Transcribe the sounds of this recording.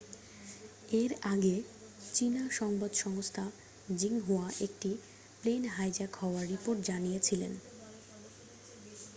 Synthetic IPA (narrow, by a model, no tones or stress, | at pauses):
eɾaɡe | t͡ɕinaʃɔŋbad̪ʃɔŋost̪ʰa | d͡ʑiŋɦuaʔek̚ʈi | plenɦajd͡ʑakɦɔoaɾːipoɾʈd͡ʑanijet͡ɕʰilḛn